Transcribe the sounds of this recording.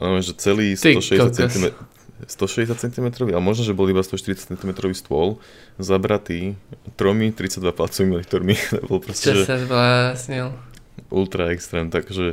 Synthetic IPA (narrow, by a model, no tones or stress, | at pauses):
aʋɛnʒɛt͡sɛliːst̪ɔʃɛɟɛsat͡sɛt̪imɛ | st̪ɔʃɛɟɛs̬at̪̚t͡sɛnt̪imɛt̪ɾɔʋialɛmɔʒnɔʒɛbɔlibast̪ɔʃt̪iɾit͡sḁtt͡sɛnt̪imɛt̪ɾɔʋiːst̪ʊɔl | zabɾat̪iːt̪ɾɔmit̪ɾit͡saɟd̪ʋaplat͡sɔʋiːmiɔnikt̪ɔɾmit̪ɛbɔlɔpɾɔscɛʒɛazblasɲil | ʔulˠt̪ɾaɛkst̪ɾɛːmnt̪akʒɛ